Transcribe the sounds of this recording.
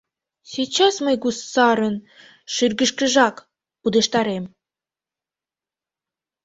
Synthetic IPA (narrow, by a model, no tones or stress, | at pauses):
sʲit͡ɕɑsməjɡussɑɾən | ʃyrɡə̆ʃkə̆ʒɑk | ud̪ə̆ʃt̪ɑɾem